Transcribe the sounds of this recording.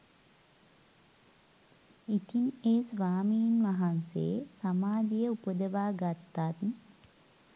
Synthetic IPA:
it̪ineːsʋaːmiːnʋaɦansḛːsamaːd̪ijəupəd̪əʋaːɡat̪ːat̪n

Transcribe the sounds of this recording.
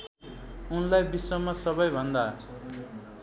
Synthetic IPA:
unlajbisːʌmasʌbʌjbʱʌnd̪a

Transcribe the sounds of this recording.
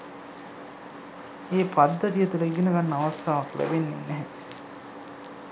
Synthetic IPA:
eːpad̪ːɐt̪ijət̪uləiɡ̪inəɡanːəaʋɐst̪ʰaːʋaklʔæ̰benːḛnːɛɦɛ

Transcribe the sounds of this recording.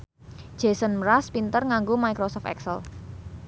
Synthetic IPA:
d̥ʒ̥e̤sənməɾaspint̪ərŋaŋɡomaikɾosɔft̪ɛ̰ksəl

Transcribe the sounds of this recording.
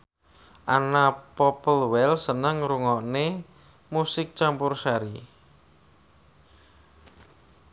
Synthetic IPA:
ʔanapɔpəlwɛlsənəŋɾuŋɔʔne | musɪk̚t͡ʃampʊrsaɾi

